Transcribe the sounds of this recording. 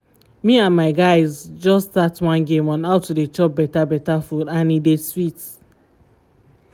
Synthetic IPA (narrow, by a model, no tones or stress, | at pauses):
miãnmaɪɡaɪzd͡ʒɔstatwãnɡẽmwãnaʊtːudet͡ʃɔp̚bɛtabɛtafudanideswit